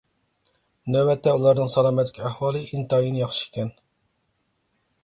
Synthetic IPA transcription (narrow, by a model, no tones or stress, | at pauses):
nɛbɛt̪ʰːɛulˠɑɾnɨŋsɑlˠɑːmɛt̪lːɪkʲæhwɑːlˠɨʔint̪ɑjinɪjɑχʃi̥kʲʰɛn